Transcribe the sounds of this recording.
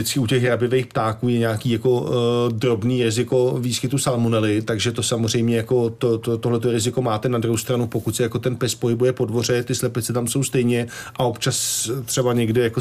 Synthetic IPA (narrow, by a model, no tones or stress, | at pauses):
ɪt͡skɪucɛxɦɾabɪvejxpt̪aːkuːjɛɲaːkiːjako̞dɾo̞bniːɾɪzɪko̞viːskɪt̪usalmonɛlɪt̪aɡʒɛt̪o̞samor̝ɛjmɲɛjako̞t̪ot̪ot̪o̞ɦlɛt̪̬oɾɪzɪko̞maːt̪ɛnadɾuɦowst̪ɾanupo̞kucʲsɛjakot̪ɛnpɛspo̞ɦɪbujɛpo̞dvo̞r̝ɛt̪ɪslɛpɪt͡sɛt̪amso̞wst̪ɛjɲɛʔao̞pt͡ʃast̪r̥ɛbaɲɛɡdɪjako